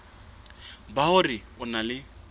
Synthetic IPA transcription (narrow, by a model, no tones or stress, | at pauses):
bahʊrɪʊnalɪ